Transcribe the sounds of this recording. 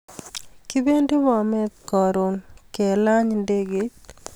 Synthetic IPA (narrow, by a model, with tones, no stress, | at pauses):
ki˦be˦nde˦mɔ˨mɛ˦t̪kɔ˨ɾo˨nke˨la˦ɲnde˦ɡe˦t̪